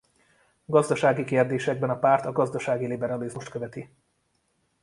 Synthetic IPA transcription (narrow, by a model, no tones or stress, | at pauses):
ɡɒzd̪ɒʃaːɡikeːrd̪eːʃɛɡ̚bɛnɒpaːrt̪ɒɡɒzd̪ɒʃaːɡilibɛɾɒlizmuʃt̪køvɛt̪i